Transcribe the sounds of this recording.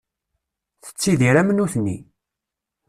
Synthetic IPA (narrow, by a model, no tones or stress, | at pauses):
θə̥t͡sːiðiɾæmənuθni